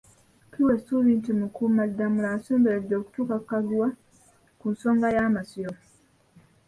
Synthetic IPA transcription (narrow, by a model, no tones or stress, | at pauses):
kiwesulintimukuːmadːamulasoːmbeɾedːo̞ːku̥tuːkakːaɡuwa | kunso̞ːŋɡajaːmasijo